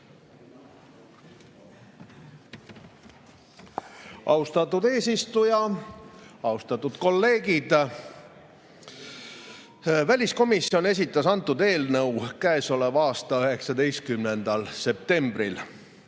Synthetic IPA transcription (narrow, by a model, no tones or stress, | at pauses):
ʔɑ̰ust̪ɑt̪ːˑud̪e̞ːsist̪ujɑ | ɑust̪ɑt̪ːˑud̪̥ko̞lːe̞ːɡ̥id̪̥ | vælʲisko̞misio̞ne̞s̬ʲit̪ːˑɑsɑnt̪ːˑud̪e̞ːlnɤwkæeso̞levɑːst̪ɑyɦe̞ksɑd̪e̞jst̪̚kymne̞nd̪̥ɑlse̞p̚t̪e̞mbɾil